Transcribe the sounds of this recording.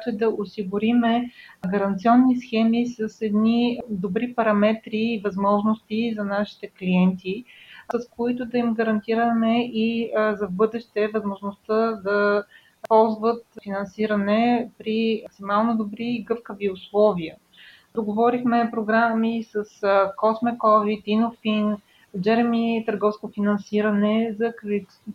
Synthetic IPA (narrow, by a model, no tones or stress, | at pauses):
at̪ɛd̪ɐʔosiɡʊɾimɛɡɐɾɐnt̪siɔnːisxɛmisɐsɛd̪nid̪obɾipɐɾɐmɛt̪ɾiːvɐzmɔʒnost̪izɐnaʃi̥t̪ɛkliɛnt̪iəskoit̪ʊd̪ɐimɡɐɾɐnt̪iɾəmɛʔizɐvbɤd̪ɛʃt̪ɛvɐzmoʒnost̪əd̪ɐ | pɔlˠzvət̪finɐnsiɾənɛpɾiksimalˠnod̪obɾiːɡɤfkəviʊslˠɔviə | d̪oɡovɔɾixmɛpɾoɡɾamisəskɔsmɛkɔvit̪inofin | d͡ʒɛɾmit̪əɾɡɔfskofinɐnsiɾɐnɛzɐki